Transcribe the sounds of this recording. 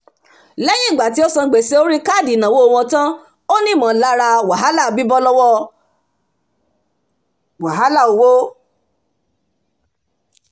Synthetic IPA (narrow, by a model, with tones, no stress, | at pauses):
lɛ˦jĩ˦˨ɡ͡ba˨ti˨˦ɔ˦sɔ̃˧˨ɡ͡be˨se˦o˦ɾi˦ka˦˨di˨nã˨wo˦o˧w̃ɔ̃˧tã˦ | o˦nĩ˦˨mã˨˦la˦ɾa˧wa˨ɦa˦la˦˨bi˦bɔ˦lɔ˦wɔ˦˨ | wa˨ɦa˨˦la˦˨o˨wo˦